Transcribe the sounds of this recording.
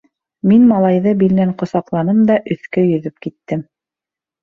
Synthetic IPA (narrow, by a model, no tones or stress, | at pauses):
minmɑlˠɑjðɤbilnæŋqŏsɑqlˠɑnɤmd̪ɑʔɵ̆θkɵjɵ̆ðɵp̚kit̪ːɘm